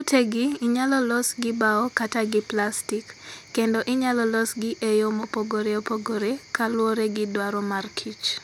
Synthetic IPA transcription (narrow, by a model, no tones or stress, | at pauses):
utʰeɡɪɪɲalɔlɔsɡɪbaɔkataɡɪplastikːendɔʔɪɲalɔlɔsɡɪʔejomopoɡoɾeopoɡoɾekalwoɾeɡɪdwaɾɔmarkʰit͡ʃ